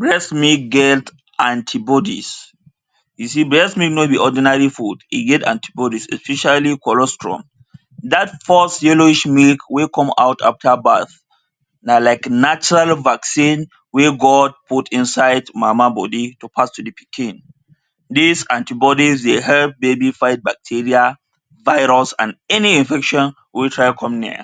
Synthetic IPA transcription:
bɹɛsmik̚ɡɛt | ʔãntʰibɔdḭs | jusibɹɛsmiknot̚biʔɔdinaɹifudḭɡɛtã̰ntʰi̥bɔdisɛ̰spɛʃalikɔlɔstʰɹɔ̰̃m | datfɔsjɛloiʃmilkwekʰɔ̃ma̰wtʰa̰ftʰabaθ | nalaɪknat͡ʃɔɹalvaksĩn | weɡɔd̚pʰutĩnsaɪdmamabɔditupʰastudipʰikʰĩn | disãntibɔdisdehɛlp̚bebifaɪt̚bak̚tʰiɹia | vaɪɾɔsãnɛniĩnfɛkʃɔ̃n | witʰɹaɪkʰɔ̃mniə̰

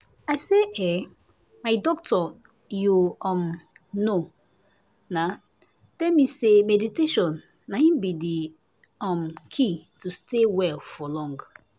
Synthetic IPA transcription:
ajseʔɛ | maɪdɔk̚tʰɔ | juɔm | no | na | tɛlmisemɛditeʃɔ̃nː | aĩbidi | ɔ̃mkʰitustewɛlfɔlɔ̃ŋɡ

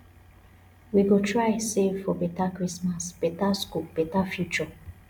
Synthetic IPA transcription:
wiɡotʰɹajsevfɔbetakɹismasb̥etaskub̥etafjut͡ʃə

